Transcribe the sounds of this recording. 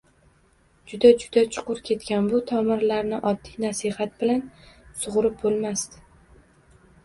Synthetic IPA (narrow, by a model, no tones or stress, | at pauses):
d͡ʒʊd̪ad͡ʒʊd̪at͡ʃʰʊ̥qʊɾkʲʰe̞t̪kʲanbʊt̪ʰɒmɪɾlaɾnɪʔɒd̪ːijnasihat̪̚bɪlansʊʁɾɪp̚bolˠmast̪ɪ